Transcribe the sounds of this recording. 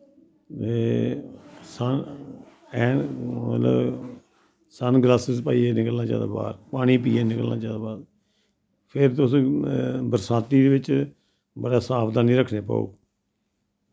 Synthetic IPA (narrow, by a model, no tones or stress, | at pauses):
eː | sən | ɛːmə̰t̪lə̰b | sənɡlaːsɪzpaːiːeːnɪkəlnãːt͡ʃã̰ːd̪a̰ːba̰ːɾpaːɽ̃iːpiːeːnɪkəlnã̰ːt͡ʃaːd̪aːbaːd | pʰɪɾt̪ʊs | bəɾsãːt̪iːd̪eːʋɪt͡ʃ | bəɽaːsaːpʰd̪aːnĩːɾəkʰneːpa̰ːo̰ː